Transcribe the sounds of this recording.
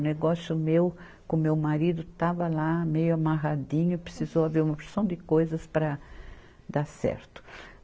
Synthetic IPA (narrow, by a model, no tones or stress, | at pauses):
neɡɔsjʊmew | kõmewmaɾid̪ʊt̪avɐlamejʊamaɦad̪ĩɲʊpɾesizowaveɾũmɐpesɐ̃w̃d̪ɪkojzɐspɾɐ | d̪asɛ̰ɾt̪ʊ̥